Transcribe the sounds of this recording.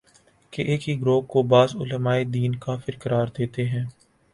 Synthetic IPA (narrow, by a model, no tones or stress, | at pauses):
keʔeːkiɡɾoːkkobaːzʊ̰ləmaːed̪iːnkafɪɾkəɾaːɾd̪eːt̪eɦɛ̃ː